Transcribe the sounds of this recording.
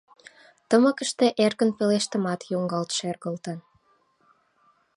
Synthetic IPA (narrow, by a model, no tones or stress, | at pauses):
t̪əməkəʃt̪eʔerɣənpeleʃt̪əmɑt̪juŋɡɑlt̪ʃerɣəlt̪ən